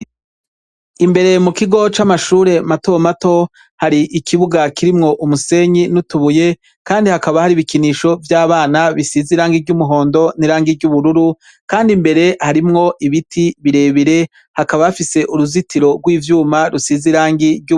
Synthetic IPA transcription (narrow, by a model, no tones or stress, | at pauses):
imbe̞ɾe̞mukiɡo̞t͡ʃamaʃuːɾe̞matomato̞ | haɾiʔikʰiβuɡakiɾimŋo̞ʔumuse̞ːɲinutuβuje̞ | kaːndihakaβahaɾiβikiniʃo̞vjaːβaːnaβisiziɾaːŋɡiɾɟumuɦo̞ːndo̞niɾaːŋɡiɾɟuβuɾuɾu | kaːndimbe̞ɾe̞haɾimŋo̞ʔiβitʰiβiɾe̞ːβiɾe̞ | hakaβaafise̞ʔuɾuzitiɾo̞ɡwiːvjuːmaɾusiziɾaːŋɡiɾɟu